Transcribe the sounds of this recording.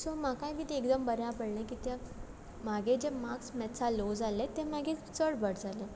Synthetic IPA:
somakajʋit̪eekd̪əmbəɾjãpəɽɳẽkiːt̪ja | maɡed͡ʑemaksmɛt͡salod͡zalet̪ɛ̃m̤aɡet͡səɽbəɽd͡zʱale

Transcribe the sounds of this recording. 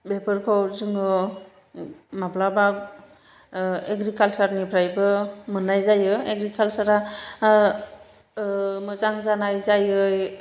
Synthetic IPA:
bepɯɾkʰawzɯŋɯ | mablabak̚ | eɡɾikalsaɾnipʰɾajbɯmɯnajzajɯeɡɾikalsaɾa | mɯzaŋzanajzajɯj

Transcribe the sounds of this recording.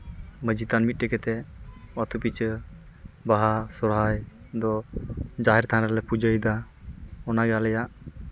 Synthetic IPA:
məd͡ʒit̪anmit̪̚ʈɛkɛt̪ɛɔt̪upit͡ʃ | baɦasɔɾɦaj | d̪ɔd͡ʒaɦɛɾt̪ʰanɾɛlɛpud͡ʒəjd̪a | ɔnaɡalɛjaʔ

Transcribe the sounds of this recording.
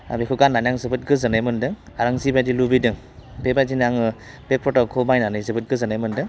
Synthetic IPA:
a̰bekʰuɡanːanjaŋzɯbɯt̚ɡɯzɯnajmɯndɯŋaɾaŋzibajdilubidɯŋ | bebajzinaŋɯ | b̥epʰɔtakʰomajnanɯzɯbɯt̚ɡɯzɯnajmɯndɯŋ

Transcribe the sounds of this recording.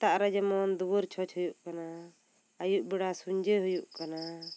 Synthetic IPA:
t̪aʔɾɛd͡ʒɛmɔnd̪uwəɾt͡ʃʰɔt͡ʃhujuʔkana | əjuʔbɛɽasuɲd͡ʒeɦujuʔkana

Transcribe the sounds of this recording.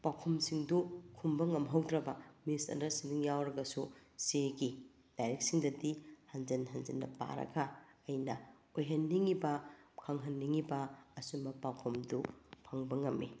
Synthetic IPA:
pawkʰumsiŋdukʰumbɐŋɐmɦɐwdɾɐbɐmisɐ̰ndɐɾsiŋdiŋjawɾɐɡɐsuseɡi | d̥ajɾek̚siŋdɐdihɐnzenɦɐnzenːɐ̰pa̰ɾɐ̰ɡɐːjnɐ | ojɦɐnːiŋibɐkʰɐŋɦɐnːiŋibɐːsumɐpawkʰomdupʰɐŋbɐŋɐmːi

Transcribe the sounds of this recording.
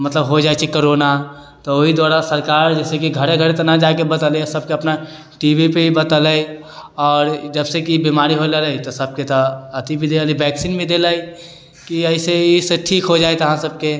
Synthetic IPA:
mət̪ləbɦod͡ʒaːjt͡ʃʰikoɾona | t̪ooɦid̪waːɾasəɾkaːɾd͡ʒɛːsekiɡʱəɾeɡʱəɾet̪ɐnad͡ʒaːkebət̪əlesəb̚keəpna | ʈibʱipeibət̪ələi | ɔːɾd͡ʒəbsekibimaːɾiɦolələit̪osəb̚ket̪oət̪ibʱid̪eləlibɛksinbʱĩd̪eləi | kiəɪseiseʈʰiːkɦod͡ʒaːet̪oɦãsəb̚ke

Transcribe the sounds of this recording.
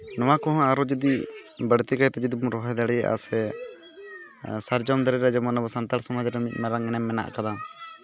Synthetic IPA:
nɔwakɔɦɔ̃aɾɔd͡ʒud̪ibəɽt̪ikajt̪ɛd͡ʒid̪ibumɾɔɦɔjd̪aɽɛjaʔa̰sɛ | saɾd͡ʒɔmd̪əɾɛɾɛd͡ʒɛmɔnabɔsant̪aɾsɔmad͡ʒɾɛmit̪̚ˀmaɾaŋːɛnɛmːɛna̰ʔkad̪am

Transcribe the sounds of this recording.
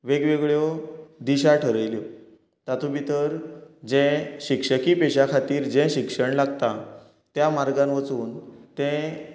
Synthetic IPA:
ʋeɡʋeɡɭjod̪iɕaʈʰəɾəjljɔ | t̪at̪ʰũbit̪əɾd͡ʑɛ̃ɕikʂəkipeɕakʰat̪iːɾd͡ʑɛ̃ɕikʂəɳlaɡt̪a | t̪jamaɾɡãnʋət͡suːnt̪ɛ̃

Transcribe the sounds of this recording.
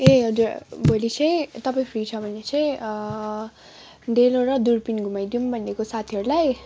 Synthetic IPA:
eʌd͡zuɾbʱolit͡sʰʌj̃t̪ʌpaĩpʰrit͡sʰʌbʱʌnet͡sʰʌj̃ | ɖeloɾʌd̪urpinɡʱumajd̪iumbʱʌnːekosat̪ʰiɦʌɾulaj

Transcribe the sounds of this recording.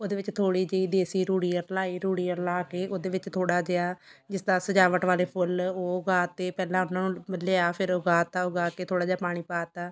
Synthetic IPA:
oːd̪eːʋɪt͡ʃt̪ʰoːɽiːd͡ʒeiːd̪eːsiːɾuːɽiːəɾlaːiːɾuːɽiːəɾlaːkeːʔoːd̪eːʋɪt͡ʃt̪ʰoːɽaːd͡ʒeːaːd͡ʒɪsd̪aːsəd͡ʒaːʋəʈʋaːleːpʰʊloːɡaːt̪ːeːpɛːlãːʊnãːnũːməleːaːpʰɪɾoːɡaːt̪aːoːɡaːkeːt̪ʰoːɽaːd͡ʒaːpaːɽ̃iːpaːt̪aː

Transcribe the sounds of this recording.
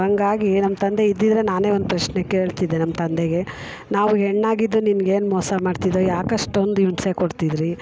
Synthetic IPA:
ɐŋɡaːɡinɐmːɐt̪ɐnd̪eid̪ːid̪ɾe̞naːne̞ːond̪upɾɐʃnekːee̞ːɭt̪id̪ːenɐmːɐt̪ɐnd̪eɡe̞ | naːʋuɦeɳːaːɡid̪ːuninɡeːnmɔːsɐmaːɖt̪id̪ɾojaːkɐʂʈond̪iʋnsekoɽt̪id̪ɾi

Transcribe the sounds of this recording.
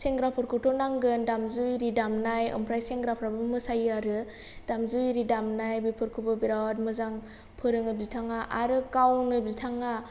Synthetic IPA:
seŋɡɾapʰɯɾkʰɯtʰɔnaŋɡɯndamzujɾidamnajɯ̰mpʰɾajseŋɡɾapʰɾabɯmɯsajaɾɯ | d̥amzujɾidamnajbipʰɯɾkʰɯbɯbiɾawt̚mɯzaŋ | pʰɯɾɯŋɯbiztʰaŋaʔaɾɯkawnɯbiztʰaŋa

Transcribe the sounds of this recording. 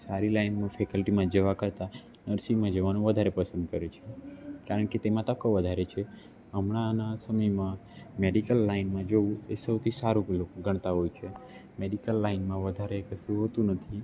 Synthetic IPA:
saɾilainmãfʰekəlʈimãd͡ʒəʋakəɾt̪a | nəɾsimãd͡ʒəʋanũʋəd̪ʱaɾepəsə̃nd̪̚kəɾet͡ʃʰekaɾəɳket̪emãt̪əkːoʋəd̪ʱaɾet͡ʃʰe | əmɳãnasəməjmãmeɖikəlːainmãd͡ʒoũesəwt̪ʰisaɾulokoɡʱəɳ̃t̪aɦojt͡ʃʰemeɖikəlːaɪnmãʋəd̪ʱaɾekəʃũɦot̪ũnət̪ʰi

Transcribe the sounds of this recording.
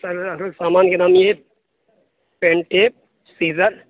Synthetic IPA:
sɐlɐssaːmaːnkenaːmjeː | peɳʈeːp̚ | siːzɐɾ

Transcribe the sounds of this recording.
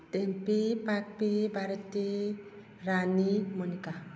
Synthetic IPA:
t̪empepak̚pebʱaɾɔt̪e | ɾanimɔnika

